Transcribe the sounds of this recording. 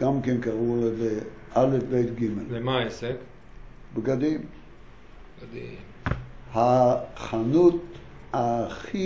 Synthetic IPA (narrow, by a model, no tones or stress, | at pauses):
ɡ̥amkenkaʁuleze | alefbejt̪ɡimelvemaesek | bɡad̪im | di | haχanut̪ | aχi